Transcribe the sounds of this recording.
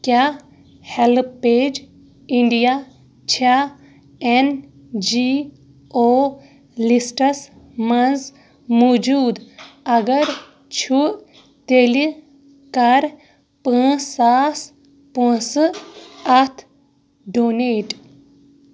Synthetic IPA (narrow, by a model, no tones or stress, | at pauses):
kja | helpeːd͡ʒ | iɳɖija | t͡ʃʰa | en | d͡ʒi | o | lisʈɐs | mɐnz | mod͡ʒuːd̪ɐɡɐɾ | t͡ʃʰuʔ | t̪eli | kɐɾ | pə̃ːsaːs | pə̃sɨɐt̪ʰ | ɖoneːʈ